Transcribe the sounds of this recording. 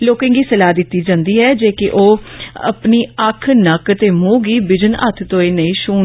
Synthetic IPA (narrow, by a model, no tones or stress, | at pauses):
loːkɪ̃ːŋɡiːsəlaːd̪ɪt̪ːiːd͡ʒãːnd̪iːɦɛːd͡ʒeːkɪʔoːə̰pniːəkʰnəkt̪eːmũːɡiːbɪd͡ʒənə̰t̪ʰt̪õːeːnəĩːʃuː